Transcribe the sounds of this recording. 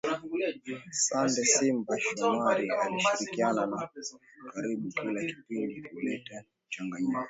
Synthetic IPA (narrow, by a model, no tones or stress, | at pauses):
sandɛsimbaʃɔmaɾialiʃiɾikianana | kaɾiɓukilaki̥pindiulɛta | t͡ʃaŋɡaɲika